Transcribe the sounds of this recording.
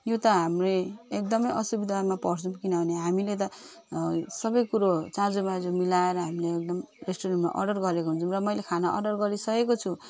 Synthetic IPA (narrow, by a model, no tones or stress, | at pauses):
jot̪ʌɦamreek̚d̪ʌmʌjʔʌsubid̪ʱamapʌɾt͡sʰumkinʌbʱʌneɦamilet̪ʌ | sʌbʌjkuɾot͡sãd͡zomad͡zomilaeɾʌɦamileːk̚d̪ʌm | resʈoɾenma̰ʔʌ̰ɖʌrɡʌɾekoɦunt͡sʰumrʌmʌjlekʰanaʔʌ̰ɖʌrɡʌɾisʌkekot͡sʰu